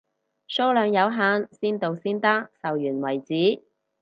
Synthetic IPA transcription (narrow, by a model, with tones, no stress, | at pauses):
so˥lœː˨˧ŋjɐ˨˧wɦaː˨˥nsiː˥nt̪o˨wsiː˥nt̪ɐ˥k̚sɐ˨wjyː˨˩nwɐ˨˩jt͡siː˨˥